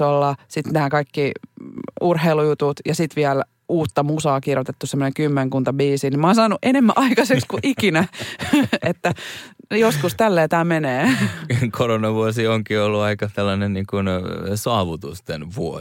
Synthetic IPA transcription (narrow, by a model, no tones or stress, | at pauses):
olːɑsit̪næːkɑikːi | urheilujut̪ut̪jɑsit̪ʋiæl | uːt̪ːɑmusɑːkirjot̪et̪ːusemːonekymːeŋkunt̪ɑbiːsinimoːnsɑːnuʔenemːæ̰ʔɑikɑsekkskuʔikinæ | et̪ːæjoskust̪ælːeːt̪æːmeneːkʰoronɑʋuosioŋkiolːuɑikɑselːɑnenniːŋkunsɑːʋut̪ust̪enʋuo